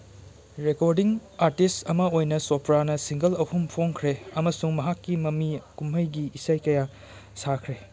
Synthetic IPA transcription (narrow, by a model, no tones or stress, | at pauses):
ɾekoɾdiŋaɾtistɐmɐojnɐsopʰɾanɐsiŋɡɐlɐhumpʰoŋkʰɾeɐmɐsuŋmɐɦakːimɐmikumɦɐjɡiisajkɐja | sakʰɾe